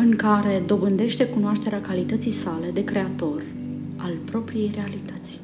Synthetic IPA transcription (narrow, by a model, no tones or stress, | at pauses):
ɨŋkaɾe̞d̪o̞bɨnd̪e̞ʃt̪e̞kunoaʃt̪e̞ɾeakalit̪ət̪sisale̞d̪e̞kɾe̞at̪o̞r | alpɾo̞pɾije̞jre̞alit̪ət̪sʲ